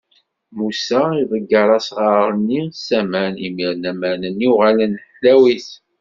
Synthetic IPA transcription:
musaivəɡːɑɾˤɑsʁɑɾˤənːisæmænimiɾnæmænəniuʁælənħlæwiθ

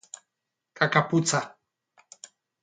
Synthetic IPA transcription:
kakapʊt͡sa

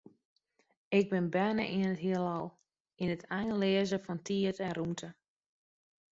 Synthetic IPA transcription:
ɪɡ̚bɪnbɛnə̰ʔiənəthiəlˠɔlˠ | inətʰajnleːəzəfɔntʰiətɛnrumtʰə

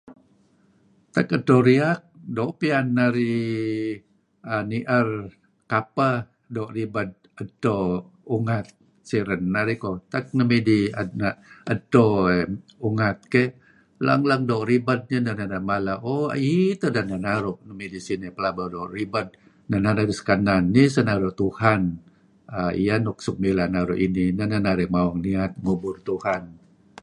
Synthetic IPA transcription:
t̪akətːoɾiak̚doʔpianːaɾi | aniʔər | kapə | doʔɾibad̚ | ətːo | uŋat̪̚ | siɾənːaɾikot̪ak̚nəmidianaətːoeuŋat̪̚ke | la̰ŋlaŋdoʔribət̪̚ɲənananaʔmalaoa̰it̪ənananaɾoʔnəmidisinipəlabadoribət̪̚ | nananaɡisə̥kananːisənaɾoʔt̪uhan | aḭjanɔk̚suk̚milanaɾoʔininananaɾɛʔmawaŋniat̪̚ŋubʊrt̪uhan

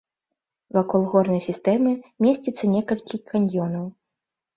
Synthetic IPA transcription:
vakɔlˠɣɔrnɐjsʲist̪ɛmɨmʲesʲt͡sʲit̪sːɐnʲɛkɐlʲkʲikanʲjɔnɐw

